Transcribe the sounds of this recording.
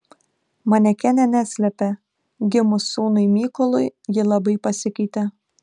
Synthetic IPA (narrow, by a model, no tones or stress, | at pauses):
mɐnʲɛkʲɛnʲɛnʲæːsʲlʲɛpʲɛ | ɡʲɪmʊsːuːnʊɪmʲiːkɔlˠʊjjɪlˠɐbɐɪpɐsʲɪkʲɐɪt̪ʲɛ